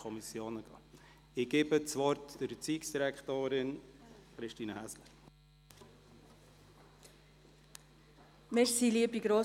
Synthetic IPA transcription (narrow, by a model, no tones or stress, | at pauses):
ɔmisjoːnəɡ̥ɑ̰ː | ɪɡ̥eːbət͡sʋɔɾtd̥əɾt͡siːksd̥iɾækχtoːɾɪnχɾɪʃtiːnəæslə | mɪsiliəbiɡɾoː